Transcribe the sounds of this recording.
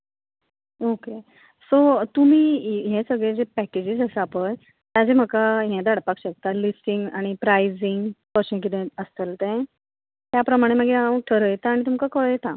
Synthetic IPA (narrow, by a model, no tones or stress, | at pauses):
oke | sot̪um̤iːɦẽsəɡɭed͡zepæked͡ʑid͡zəsəapəj | t̪jad͡zem̤əkaɦɛ̃d̪aɽpakɕək̚t̪alisʈiŋɡaɽ̃ipɾajd͡ziŋɡpəɕə̃k̬it̪ẽəst̪əlt̪ɛ̃ | t̪japɾəmaɽ̃eməɡeaə̃ʈʰəɾəjet̪aːɽ̃it̪̬umkakəɭjet̪a